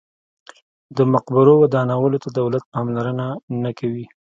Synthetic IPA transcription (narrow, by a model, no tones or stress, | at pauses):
d̪əmʊqbɪɾowad̪ɑnawəlot̪ad̪awlat̪̚ɑmlaɾənanakawi